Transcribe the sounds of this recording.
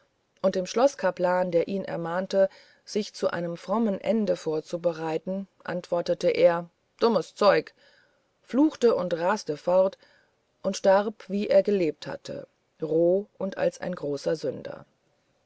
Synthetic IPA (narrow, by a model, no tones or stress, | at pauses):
ʔʊnt̚d̥eːmʃlɔskʰaplaːndeːɐʔiːnʔɛ̰ɐmaːntə | z̥ɪçt͡suʔa̰ɪnəmfʁ̥ɔmənʔɛ̰ndəfoːɐt͡subəʁaɪtn̩ʔa̰ntv̥ɔɐtətəʔeːɐ | d̥ʊməst͡sɔʏk | fluːxtəʔʊntʁastəfɔʁt | ʔʊntʃtaʁpv̥iːʔeːɐɡəleːp̚tha̰tʰə̰ | ʁoːʔʊnta̰lsa̰ɪnɡʁoːsɐzʏndɐ̰